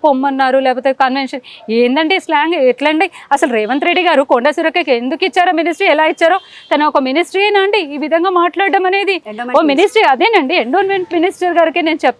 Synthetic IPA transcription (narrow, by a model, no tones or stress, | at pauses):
pomːɐnːaːɾulɛːpɐt̪ekɐnʋenʂɐneːnd̪ɐɳɖislaːŋɡeʈlɐɳɖiɐsɐlɾɛːʋɐnt̪ɾeɖːiɡaːɾukoɳɖɐsiɾɐkːɐkend̪ukit͡ʃːaːɾɐminisʈɾiɛlaːit͡ʃːaːɾoː | t̪ɐnɐɔkɐminisʈɾiɐnaɳɖiiːʋid̪ʱɐŋɡaːmaːʈlaːɽːɐmɐne̞ːd̪ioːminisʈɾiɐd̪eːnɐɳɖieɳɖoːnmeɳʈ̚minisʈɐɾɡaːɾikene̞ːnut͡ʃɛp̚t̪ː